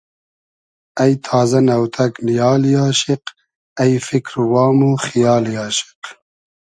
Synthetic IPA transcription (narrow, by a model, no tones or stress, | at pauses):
ɐjt̪ʰaːzɐnɐwt̪ʰɐknijɑːljaːʃiq | ɐjfikɾwɑːmuxijɑːljaːʃi̥q